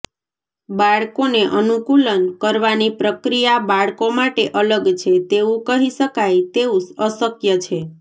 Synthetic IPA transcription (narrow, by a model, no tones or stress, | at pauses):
baɭkoneʔənukulənkəɾʋanipɾəkɾijabaɭkomaʈeʔələɡt͡ʃʰet̪eũkəɦiʃəkajt̪eũsəsəkjət͡ʃʰe